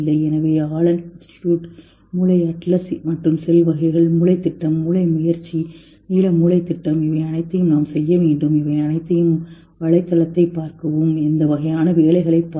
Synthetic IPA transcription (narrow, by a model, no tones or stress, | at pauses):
lːɐɪɛnɐʋeːaːlɐnɪnsʈɪ̥ʈjuːʈ | muːɭɐɪɐʈlɐsmɐʈrɯmsɛlʋɐɣɐɪɣɐɭmʊɭɐɪt̪ːɪʈːɐmːuːɭɐɪmʊjɐɾt͡ʃːi | niːlɐmuːɭɐɪt̪ːɪʈːɐmɪʋɐɪɐnɐɪt̪ːɐjɯmnaːmsɛjːɐʋeːɳɖɯmɪʋɐɪɐnɐɪt̪ːɐjɯm | ʋɐɭɐɪt̪ːɐlɐt̪ːɐɪpːaːɾkɐʋoːmɛnd̪ɐʋɐɣɐjaːnɐʋeːlɐɪɣɐɭɐɪpːaː